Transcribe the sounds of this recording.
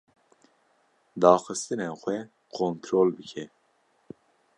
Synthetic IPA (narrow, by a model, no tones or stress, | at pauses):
d̪ɑːxɨst̪ɨnexʷwɛ | kʰoːnt̪ʰɾoːlbɨkʰɛ